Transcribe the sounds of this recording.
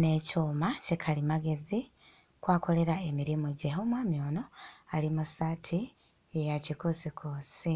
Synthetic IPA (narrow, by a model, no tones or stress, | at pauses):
ne̞coːmacikʰalimaɡe̞zi | kwaːko̞le̞ɾaemiɾimuɟeomwaːmjo̞ːno̞alimusaːtʰi | ejacikosikʰoːsi